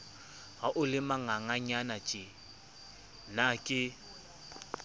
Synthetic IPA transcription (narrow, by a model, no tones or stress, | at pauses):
ɣaʔʊlɪmaŋaŋaɲanat͡ʃʼɪ | nakʼɪ